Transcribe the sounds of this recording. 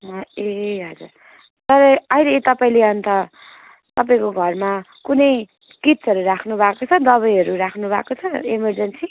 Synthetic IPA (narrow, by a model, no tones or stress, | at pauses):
ɦʌeɦʌd͡zur | t̪ʌɾʌʌilet̪ʌpaĩleʌnt̪ʌ | t̪ʌp̬aĩkoɡʱʌrma | kunʌj | kitsʌɾuɾakʰnubʱakot͡sʰʌd̪ʌβʌjʌɾuɾakʰnubʱa̰kot͡sʰʌemʌrd͡zʌnsi